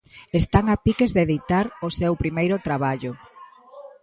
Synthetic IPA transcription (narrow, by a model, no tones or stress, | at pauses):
est̪aŋapikezðeðit̪aɾosewpɾimejɾʊt̪ɾaβaʎʊ